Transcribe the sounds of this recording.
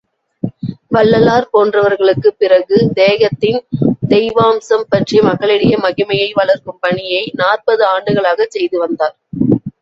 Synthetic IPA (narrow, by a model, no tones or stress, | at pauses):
ʋɐlːɐlaːɾpoːndrɐʋɐɾɣɐɭɯkːɯpːɪrɐɣɯd̪eːɣɐt̪ːɪnd̪ɛɪʋaːmsɐmpɐʈrijɐmɐɣɐɭɪɽɪjɐmɐɣɪmɐjɐɪʋɐɭɐɾkɯmpɐɳɪjɐɪnaːrpɐðɯaːɳɖɯɣɐɭaːɣɐt͡ʃɛjðɯʋɐnd̪aːɾ